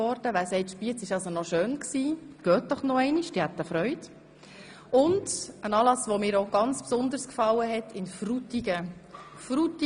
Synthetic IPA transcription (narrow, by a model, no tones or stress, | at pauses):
ɔɾd̥əʋæːsɛɪtʃpiət͡sɪʃɑlsonɔʃøːnksiːɡ̥œːt̚d̥ɔχnɔɛɪniʃd̥ihæt̪ːəfɾœʏt | ʊndənɑːlɑsʋomɪːɾoɡ̥ɑnt͡spsʊnd̪əɾskfɑlːəɦɛt̪ʰɪnfrut̪iɡə | fɾut̪i